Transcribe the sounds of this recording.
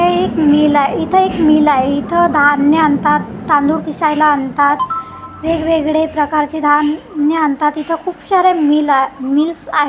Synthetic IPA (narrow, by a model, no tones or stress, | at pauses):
eekmilajit̪ʰəekmilaeit̪ʰəd̪ʱanːjəant̪at̪ːãnd̪uɽpʰisajlaːnt̪at̪ | ʋeɡʋeɡɭepɾəkaɾt͡ɕid̪ʱanːjəant̪at̪it̪ʰəkʰuːpɕaɾemilmilsa̰ɦe